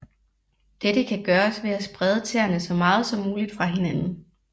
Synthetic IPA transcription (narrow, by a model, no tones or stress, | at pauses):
d̥ed̥əkʰæɡ̥ɶːɐsʋe̝æsb̥ʁɛð̞ˠət͡sʰeɐnəsɒ̽mɑ̈ːð̞̩ˠsɒ̽muːlid̥fʁɑ̈ɦe̝nænn̩